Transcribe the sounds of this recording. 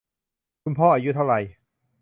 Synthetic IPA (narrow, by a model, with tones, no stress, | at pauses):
kʰu˧npʰɔː˥˩ʔaː˧ju˦˥t̪ʰa˥˩wɾa˧j